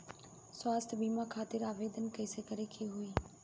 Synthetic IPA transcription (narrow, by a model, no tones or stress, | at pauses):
swaːst̪ʰbiːmakʰaːt̪ɪɾaːʋeːd̪ənkɐɪsekəɾekʰeɦʊiː